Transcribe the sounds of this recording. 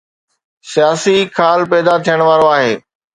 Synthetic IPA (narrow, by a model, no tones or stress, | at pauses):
sijaːsikʰaːlpɛːd̪at̪ʰijəɽ̃ʋaːɾoaːɦeː